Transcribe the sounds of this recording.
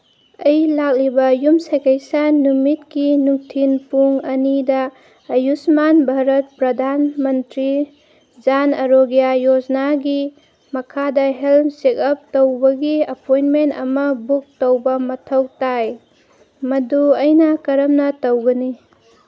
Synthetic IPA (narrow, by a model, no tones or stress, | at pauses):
ɐjlak̚libɐjumsajkejsanumit̚kinuŋtʰinpuŋɐnidɐː | jusmanbʱaɾɐt̚pɾɐdʱanmɐntɾi | d͡ʒanɐɾoɡijajod͡ʒnaɡi | mɐkʰadɐɦelmsikɐp̚towbɐɡiɐpojnmentɐ̰mɐbuk̚towbɐmɐtʰɐwtaj | mɐduɐjnɐkɐɾɐmnɐtɐwɡɐni